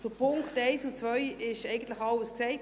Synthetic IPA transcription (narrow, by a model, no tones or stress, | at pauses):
sʊpʰʊŋkχtɛɪsut͡svœʏɪʃɛɪɡən̩t̪lɪxɑləsksɛɪ